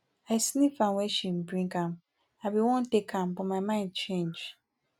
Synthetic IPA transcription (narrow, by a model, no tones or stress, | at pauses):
aɪsinĩfãnwɛʃĩn̩bɹĩŋkãm | abiwɔ̃ntekʰãmbɔmamãɪ̃nd̚t͡ʃʰẽnd͡ʒ